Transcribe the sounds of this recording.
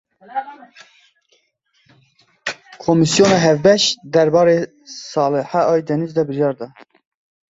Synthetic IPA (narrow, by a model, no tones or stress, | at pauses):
kʰomisjoːnɑɦɛvbɛʃd̪ɛɾbɑːɾeː | sɑːləħæʔɑːjd̪ɛnizd̪ɛbɨɾjɑːɾd̪ɑ